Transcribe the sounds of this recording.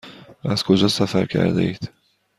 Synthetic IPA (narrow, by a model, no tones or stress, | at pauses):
æz̥kʰo̞d͡ʒɒːsæfæɾcʲʰæ̰ɾd̪eiːd̪̥